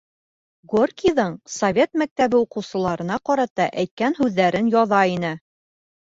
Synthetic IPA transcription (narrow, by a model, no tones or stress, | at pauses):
ɡorkʲiðɤɴsovʲe̞t̪mæk̚t̪æβɘuqɤ̆wsɤ̆lˠɑɾɤ̆nɑqɒɾɑt̪ɑʔæjt̪̚kænɦʉðːæɾɘnjɒðɑinɘ